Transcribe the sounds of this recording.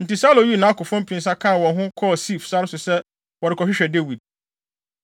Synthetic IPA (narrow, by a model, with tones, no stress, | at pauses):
n̩˨tɪ˨sa˦lo˨ju˦˨nã˨˦a˦kʊ˨fɔ̃˦m̩˦pʰĩ˨n̩˦s̬a˦kʰã˦˨wɔ̃˨nɦʊ̃˦kʰɔ˦˨si˦˨fsa˦nʊ˦sʊ˨sɛ˦ | wɔ˨ɾɪ˨kʰɔ˨ɕᶣɪ˦ɕᶣɛ˨de˦wi˨d̚